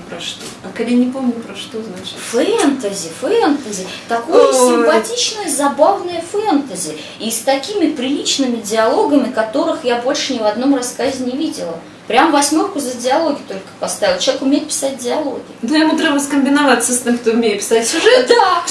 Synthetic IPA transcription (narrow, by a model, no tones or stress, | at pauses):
pɾɐʂt̪oɐkɐdʲanʲɪpomnʲʊpɾɐʂt̪oznaʃfɾʲent̪əzʲɪfent̪əzʲɪt̪ɐkojəsʲɪmpɐtʲit͡ɕnəjəzɐbavnəjəfɛnt̪əzʲɪ | ist̪ɐkʲimʲɪpɾʲɪlʲit͡ɕnɨmʲɪdʲɪɐlˠo̞ɡəmʲɪkɐt̪o̞ɾɨxjabo̞lʲʂɨnʲɪvɐd̪no̞mrɐskazʲɪnʲɪvʲidʲɪlˠə | pɾʲamvɐsʲmʲorkʊzədʲɪɐlˠo̞ɡʲɪt̪o̞lʲkə̥pɐst̪avʲɪlˠt͡ɕˠʲekʊmʲejɪt̪̚pʲɪ̥sat̚ʲdʲɪɐlˠo̞̰ɡʲɪnojamud̪ɾɨvəskəmʲbʲɪnɐvat̪səsʲtʲemkt̪oʊmʲejɪpʲɪ̥satʲsʲʊʐɛd̪a